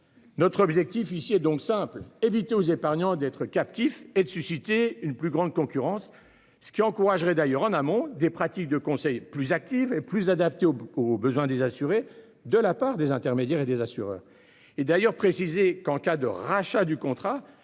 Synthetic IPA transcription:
nɔt̪χɔbʒɛk̚t̪ifisiɛd̪ɔ̃ksɛ̃plevit̪eozepaʁɲɑ̃d̪ɛt̪χəkap̚t̪ifɛd̪əsysit̪eynplyɡʁɑ̃d̪̚kɔ̃kʲyʁɑ̃sː | ə̥kʲiɑ̃kuʁaʒʁɛd̪ajœʁɑ̃namɔ̃d̪epχat̪ik̚d̪əkɔ̃sɛjplyzak̚t̪iveplyzad̪ap̚t̪eobəzwɛ̃d̪ezasyʁe | d̪əlapaʁd̪ezɛ̃t̪ɛʁmed̪jɛʁed̪ezasyʁœ̰ːʁ | ed̪ajœʁpχesizekɑ̃kad̪ə̰ʁaʃad̪ykɔ̃t̪χa

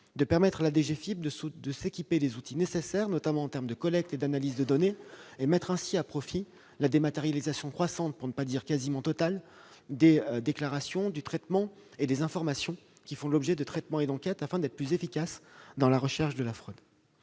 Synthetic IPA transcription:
d̪əpɛʁmɛt̪χalad̪eʒefibd̪əd̪əsekʲiped̪ezut̪inesesɛʁnɔt̪amɑ̃ɑ̃t̪ɛʁmd̪əkɔlɛk̚t̪ed̪analizd̪əd̪ɔneemɛt̪χɛ̃siapχɔfi | lad̪emat̪eʁjalizasjɔ̃kχwasɑ̃t̪̚puʁnəpad̪iʁkazimɑ̃t̪ɔt̪al | d̪ed̪eklaʁasjɔ̃d̪yt̪χɛt̪mɑ̃ | ed̪ezɛ̃fɔʁmasjɔ̃ | kʲifɔ̃lɔbʒɛd̪ət̪χɛt̪mɑ̃ed̪ɑ̃kʲɛt̪afɛ̃d̪ɛt̪χəplyzefikʲasd̪ɑ̃laʁəʃɛʁʃd̪əlafχød̪

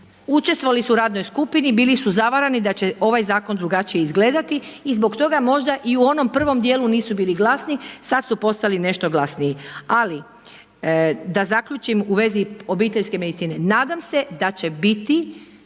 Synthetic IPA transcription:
ut͡ʃest̪ʋoalisuɾaːd̪no̞jskupinibiːlisuzaʋaɾanid̪at͡ɕe̞o̞ʋajzaːko̞nd̪ɾuɡat͡ʃijeizɡle̞ːd̪at̪iːzbo̞kt̪o̞ɡamo̞ʒd̪aʔiuo̞no̞mpr̩ʋo̞md̪jeːluniːsubiːliɡlˠasnisad̪supo̞st̪aline̞ʃt̪o̞ɡlˠasnijiali | d̪azakʎut͡ʃimuʋe̞zio̞biːt̪eʎʲske̞me̞d̪it̪siːne̞naːd̪amse̞d̪at͡ɕe̞bit̪i

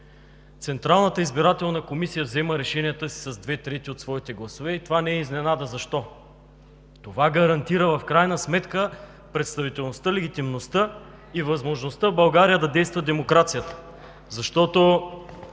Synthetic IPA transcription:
t̪sɛnt̪ɾalˠnət̪əizbiɾat̪ɛlˠnəkomisijəvzɛməɾɛʃɛnijət̪əsi̥sɐzd̪vɛt̪ɾɛt̪iot̪svɔit̪ɛɡlˠɐsovɛit̪ovanɛɛiznɛnad̪əzɐʃt̪ɔ | t̪ovaɡɐɾɐnt̪iɾəvɐfkɾajnəsmɛt̪kə | pɾɛt̪st̪ɐvit̪ɛlˠnost̪əlɛɡ̟ʲit̪imnost̪ə | ivəzmoʒnost̪əvbɐlˠɡaɾijəd̪ɐd̪ɛjst̪vəd̪ɛmokɾat̪sijət̪ə̥ | zɐʃt̪ɔt̪o

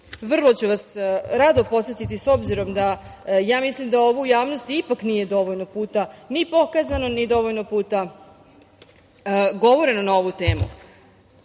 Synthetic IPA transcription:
ʋr̩lˠo̞t͡ɕuʋasɾad̪opo̞t̪sjet̪it̪iso̞bziɾo̞md̪ajaːmislimd̪ao̞ʋujaːʋnost̪ipaknije̞d̪o̞ʋoʎnopuːt̪anipo̞kazano̞nid̪o̞ʋoʎnopuːt̪a | ɡo̞ʋoɾenonao̞ʋut̪e̞ːmṵ

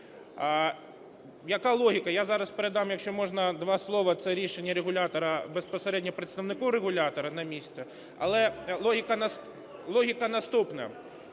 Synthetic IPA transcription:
jɐkɑlˠɔɦʲikɐjazɑɾɐspeɾed̪ɑmjɐkʃt͡ʃɔmɔʐnɐd̪ʋɑslˠɔʋɐt̪sɛɾʲiʃenʲːɐɾeɣʊlʲat̪ɔɾɐbespɔseɾɛdʲnʲɔpɾɪt̪st̪ɐʋnɪkɔwɾeɣʊlʲat̪ɔɾɐnɐmʲisʲt̪ʲt͡sʲɛ | ɐ̰lˠɛlˠɔɦʲɪkɐnɐs | lˠɔɦʲikɐnɐst̪upnɐ̰

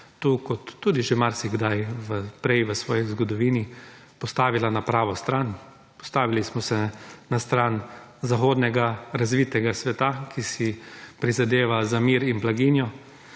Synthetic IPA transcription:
t̪ukɔt̪ːuːd̪iʒemaɾsiɡd̪ajʋəpɾɛjʋəsʋɔːjizɡɔd̪ɔʋiːni | pɔst̪aːʋilanapɾaːʋɔst̪ɾan | pɔ̥st̪aːʋilismɔsɛnast̪ɾanzaxoːd̪nɛɡaɾazʋiːt̪ɛɡasʋɛt̪akʰisipɾizad̪eːʋazamiːɾinblaɡinjɔ

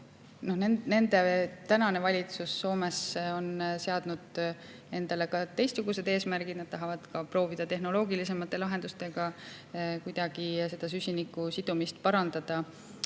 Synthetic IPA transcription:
no̞hnene̞nd̪e̞t̪ænɑne̞vɑlʲit̪susːo̞ːme̞so̞nse̞ɑd̪̥nud̪̥ | e̞nd̪̥ɑle̞kɑt̪e̞jst̪suɡ̥use̞d̪̥e̞ːsmæɾɡid̥̪nɑd̪̥̚t̪ɑɦɑvɑd̪̥kɑpro̞ːvid̪̥ɑt̪e̞ɦno̞lo̞ːɡilise̞mɑt̪ːˑe̞lɑɦe̞nd̪̥ust̪e̞ɡ̥ɑ | kujd̪̥ɑɡ̥ise̞d̪̥ɑs̬ysʲinikːˑusid̪̥umist̪̚pɑɾɑnd̪̥ɑd̪̥ɑ

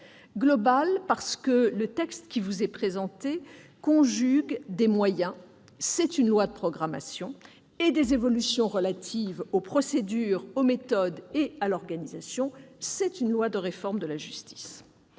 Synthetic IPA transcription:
ɡlɔbalpaʁsə̥kələt̪ɛkst̪kʲivuzɛpχezɑ̃t̪ekɔ̃ʒyɡd̪emwajɛ̃ | sɛt̪ynlwad̪əpχɔɡʁama̰sjɔ̃ | ed̪ezevɔlysjɔ̃ʁəlat̪ʰivopχɔsed̪yʁomet̪ɔd̪ealɔʁɡanizasjɔ̃sɛt̪ynlwad̪əʁefɔʁmd̪əlaʒyst̪i̥s

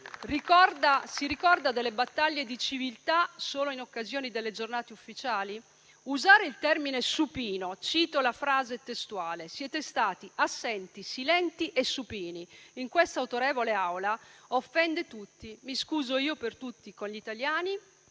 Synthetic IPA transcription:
rikɔrd̪asiɾikɔrd̪ad̪elːebat̪ːaʎːed̪it͡ʃivilt̪asoːloinokːazjoːnid̪elːed͡ʒornaːt̪eufːit͡ʃaːli | uzaːɾeilt̪ɛrminesupiːnot͡ʃiːt̪olafɾaːzet̪est̪uaːlesjɛːt̪est̪aːt̪iasːɛnt̪isilɛnt̪iʔesːupiːniiŋkwest̪auwt̪oɾɛːvoleawlaofːɛnd̪et̪ut̪ːimiskuːzoiːopert̪ut̪ːikonʎit̪aljaːni

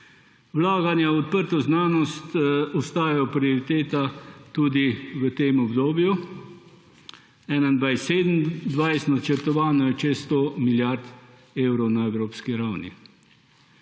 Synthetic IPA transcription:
wlaːɡanjaɔt̪̚pəɾt̪ɔznaːnɔst̪ɔst̪aːjajɔpɾioɾit̪eːt̪at̪uːd̪iʋət̪eːmɔbd̪oːbju | ɛnand̪ʋajseːd̪əmd̪ʋajst̪nat͡ʃəɾt̪ɔʋaːnɔjɛt͡ʃest̪omiljaɾd̪ | eːwɾɔwnaɛwɾoːpskiɾawnḭ

